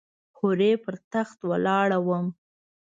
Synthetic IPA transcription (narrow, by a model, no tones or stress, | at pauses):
xʊɾepəɾt̪axt̪wəlɑɽawəm